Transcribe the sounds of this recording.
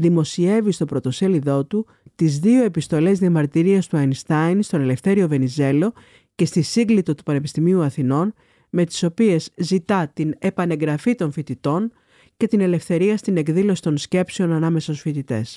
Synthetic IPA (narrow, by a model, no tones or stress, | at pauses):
ðimo̞sie̞vist̪o̞pɾo̞t̪o̞se̞liðo̞t̪u | t̪izðio̞e̞pist̪o̞le̞zðiɐmɐɾt̪iɾiɐst̪uɐjnst̪ɐjnst̪o̞ne̞le̞fθe̞ɾio̞ve̞nize̞lo̞ | ce̞st̪isiŋɡlit̪o̞t̪u̥pɐne̞pist̪imiuɐθino̞n | me̞t̪i̥so̞pie̞zzit̪ɐt̪ine̞pɐne̞ŋɡɾɐfit̪o̞ɱfit̪it̪o̞n | ce̞t̪ine̞le̞fθe̞ɾiɐst̪ine̞kðilo̞si̥t̪o̞nsce̞pse̞onɐnɐme̞sɐosfit̪it̪e̞̰s